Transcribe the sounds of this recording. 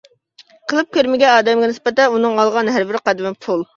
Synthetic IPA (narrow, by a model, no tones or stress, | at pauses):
qʰəlˠɨp̚kʲøɾmɪɡʲɛɑːd̪ɛmɡʲɛnɪspɪt̪ɛnunɨŋɑlˠʁɑnɦæɾbɪɾqʰɑd̪ɪmɪpʰulˠ